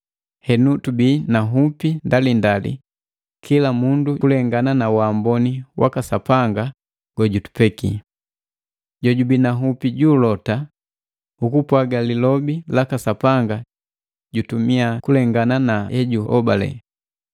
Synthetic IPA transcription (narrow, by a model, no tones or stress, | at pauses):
hɛnutubinaɦupindalindalḭ | kʰilamunduulɛŋɡananawaːmbɔniwʔa̰kasapaŋɡa | ɡ̥ɔɟutu̥pɛki | ɟɔɟubinaɦupiɟuːlɔta | ukupwaɡalilɔbilakasapaŋɡa | ɟutumiakulɛŋɡananaɛɟuɔ̰balɛ̰